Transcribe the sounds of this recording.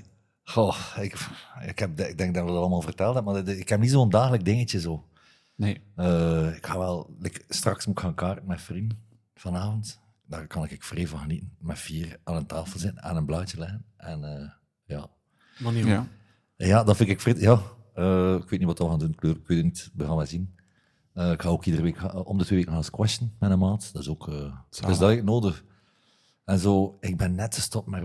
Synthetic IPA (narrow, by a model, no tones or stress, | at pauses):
xoɪkkhɛp̚dɪɡ̚dɛŋɡ̚dɑnədɔɑtɑlˠəmaːlˠvərtɛlˠtɛp̚maɪkhɛp̚nitzoːəndaːɣələk̚dɪŋət͡ʃəzoː | neəːɪkxaːʋɛlˠɪkstrɑksmutxaːnkaːrtən̩mɛfrindən | v̥ɑnaːvənt | d̥aːrkɑnɪkɪkfreːvəɣənitən̩mɛfiːraːnəntaːfəlˠzɪtən̩ɛ̰nənblœːt͡ʃəlɛɣənɛnəː | ja̰ː | jaːdɑfɪnkɪkfrɪtjaːəɪkʋeːtnitwɑtdɑʋəɣaːndunkløːrɪkwʋeːtːtnitʋəɣaːnʋɛzin | əɪkxaːoːkidərəʋeːkːʔɔmdətweːʋeːkənaːskwɛstənmɛnəmaːtd̥ɑtɪzoːkəːdəszdɑtɪknoːdəx | ɛnzoːɪk̚bɛnːɛtxəstɔp̚mɛ